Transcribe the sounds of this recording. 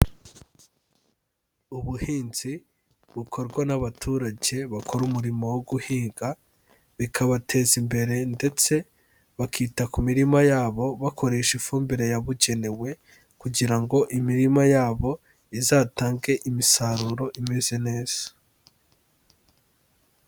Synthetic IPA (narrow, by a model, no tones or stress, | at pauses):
uβuhiːnz̥i | βukʰo̞ɾɡwanaβatʰuːɾaɟe̞βakʰo̞ɾumuɾimo̞woɡuhiːŋɡa | βikʰaβatʰe̞ːzimbe̞ɾe̞nde̞t͡se̞ | βakʰiːtakumiɾimajaːβo̞βakʰo̞ɾe̞ʃifuːmbiɾe̞jaβuɟe̞ne̞we̞ | kuɟiɾaŋɡo̞ʔimiɾimajaːβo̞ | izaːtaːŋɡe̞ʔimisaɾuɾo̞ʔimeze̞ne̞ːz̥ḁ